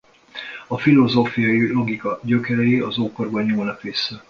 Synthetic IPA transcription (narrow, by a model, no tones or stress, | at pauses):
ɒfilo̞zoːfijɒilo̞ɡikɒɟøkɛɾɛjeɒzoːkorbɒɲːuːlnɒkʋisːɛ